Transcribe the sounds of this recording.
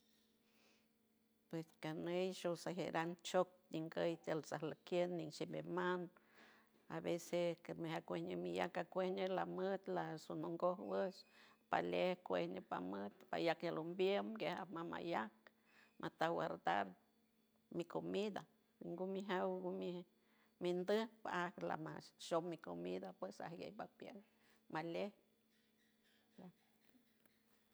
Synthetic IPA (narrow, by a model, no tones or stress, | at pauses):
pweskanejʃosaɦeɾʔaŋt͡ʃok̚niŋɡəjt̪elsahlakjənːiŋʃimeman | a̰βesemehakʷehɲemija̰kakʷehɲelamət̪lasonoŋɡohwəspa̰lehkʷehɲepa̰mət̪pa̰jakjalombjemɡehamama̰jak̚ | mʔat̪awaɾd̪a̰ɾ | mikʰomid̪a | wiŋɡumiɦawɡumi | mind̪əhpaakla̰maʃommːikomid̪apwesa̰hɡḛjbapjeŋ | maleh | ja